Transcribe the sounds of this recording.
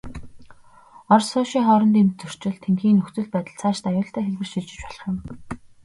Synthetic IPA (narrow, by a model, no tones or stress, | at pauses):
ɔrsʊːʃiːŋχɔːɾɞ̆nt̪emt̪̚t͡sɵr̥t͡ɕɪ̆ɮt̪ʰeŋɡxiːnɵkt͡sɵ̆ɮpæːt̪ə̆ɮt͡sʰaːʃt̪ajʊːɬt̪ʰæːxeɮwɘ̆rʃiɮt͡ɕɪ̆t͡ɕpɔɮ̥ə̆χjɪ̆m